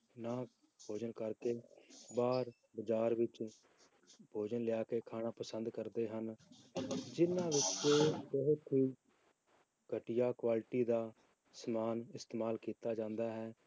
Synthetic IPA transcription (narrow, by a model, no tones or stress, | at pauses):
nãː | bʱoːd͡ʒənkəɾkeːbaːɾ | bəd͡ʒaːɾʋɪt͡ʃ | bʱoːd͡ʒənlɪjaːkeːkʰaːɽãːpəsənd̪kəɾd̪eːɦən | d͡ʒɪnãːʋɪt͡ʃt͡ʃeːʊɦʊt̪ʰiː | ɡʱəʈɪjaːkʋaːlʈiːd̪aː | səmaːnɪst̪eːmaːlkiːt̪aːd͡ʒãːnd̪aːɦɛː